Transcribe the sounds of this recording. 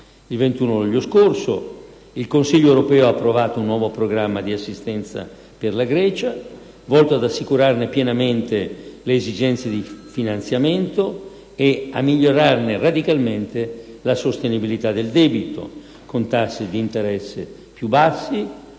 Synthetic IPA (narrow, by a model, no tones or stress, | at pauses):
ilvent̪uːnoluʎːoskorso̰ | ilkonsiʎːoewɾopɛːoaːpːɾovaːt̪ounːwɔːvopɾoɡɾamːad̪iasːist̪ɛnt̪sa̰ | perlaɡɾɛːt͡ʃa | vɔlt̪oad̪asːikuɾarnepjɛnament̪eleːzid͡ʒɛnt̪sed̪ifinant̪sjament̪o | ea̰mːiʎːoɾarnerad̪ikalment̪e | lasost̪enibilit̪ad̪eld̪ɛːbit̪o̰ | kont̪asːed̪iːnt̪eɾɛsːḛ | pjubasːi